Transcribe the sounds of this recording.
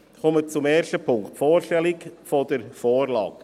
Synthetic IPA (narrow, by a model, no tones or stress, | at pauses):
kɔmət͡sumeːstəpʰʊŋktfoːɾʃtɛlɪkfɔdəɾfoːɾlɑ̰ːɡ